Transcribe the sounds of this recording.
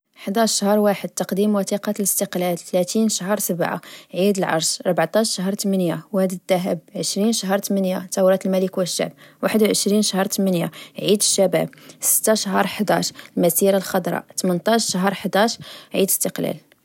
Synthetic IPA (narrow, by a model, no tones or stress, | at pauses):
ħd̪æʃːahəɾˤwaħəd̪̚t̪ɑqd̪imwæt̪iqɑləst̪əqlælt̪læt̪inʃaɦəɾˤsəbʕa̰ʕid̪əlʕɑ̰ɾˤʃʔɑɾˤbaʕt̪ˤɑʃʃaɦɾˤt̪mənjawhæd̪əd̪ːæɦəb̚ʕəʃɾinʃaɦəɾˤt̪mənjat̪æwɾˤɑt̪əlmæləkwəʃːa̰ʕb̚waħəd̪wʕəʃɾinʃahəɾˤt̪mənjaʕid̪əʃːæbæ̰b̚sə̥t̪ːaʃaɦəɾˤħəd̪ɑ̰ʃlmæsiɾalxɑd̪ˤɾˤɑ̰t̪mənt̪ˤɑʃʃaɦəɾˤħd̪æʃʕid̪əst̪əqlæ̰l